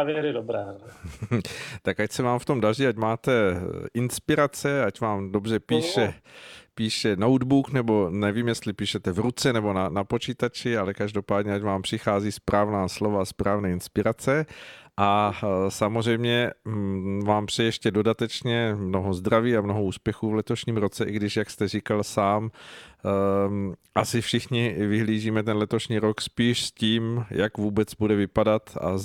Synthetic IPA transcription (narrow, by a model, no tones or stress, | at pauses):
vjɛɾɪdobɾɛː | t̪akacsɛvaːmft̪o̞mdariːacmaːt̪ɛɪnspɪɾat͡sɛacvaːmdo̞br̝ɛpiːʃɛpiːʃɛnowd̪buknɛbo̞nɛviːmjɛst̪lɪpiːʃɛt̪ɛvɾut͡sɛnɛbo̞nanapo̞t͡ʃiːt̪at͡ʃɪalɛkaʒdo̞paːdɲɛacvaːmpr̥ɪxaːziːspɾʔaːvnaːslo̞vaspɾaːvnɛːɪnspɪɾat͡sɛʔasamozr̝ɛjmɲɛ | vaːmpr̥ɛjɛʃcɛdo̞dat̪ɛt͡ʃɲɛmno̞ɦo̞zd̪ɾaviːamnoɦouːspjɛxuːvlɛt̪o̞ʃɲiːmɾo̞t͡sɛʔɪɡdɪʃjakst̪ɛrikalsaːm | ʔasɪfʃɪxɲɪvɪɦliːʒiːmɛt̪ɛnlɛt̪o̞ʃɲiːɾokspiːʃsciːmjakvuːbɛt͡sbudɛvɪpadat̪a̰